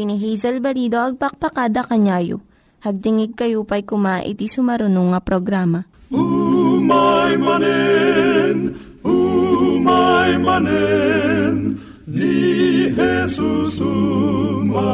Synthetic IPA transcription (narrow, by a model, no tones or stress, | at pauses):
niɦijzɐlbɐliːd̪oʔɐɡ̚pɐk̚pɐkaːd̪ɐkɐɲaːjo̰ | hɐɡ̚d̪ɪŋɪɡ̚kɐjupɐjkʊmaʔɪ̰t̪isʊmɐɾʊnuŋɐpɾoɡɾaːmɐʔumajmɐnɛ | n | umajmɐnɛ | n | nihɛsusu | m